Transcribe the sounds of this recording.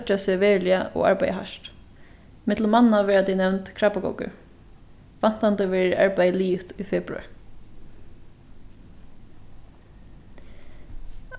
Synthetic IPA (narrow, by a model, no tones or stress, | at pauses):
t͡ʃasɪʋɛːɹlɪaʔɔ̰a̰ɹpajə̰ɦa̰ʃt̪ | mɪt̪ləmannaʋɛːɹat̪ʰɛnɛwnt̪kʰɹapaɡɔ̰wkʏ̰ | fan̥t̪ant̪əʋɛːɹɪɹʔa̰ɹpajəliːft̪ujfɛːpɾʊ̰a̰ɹ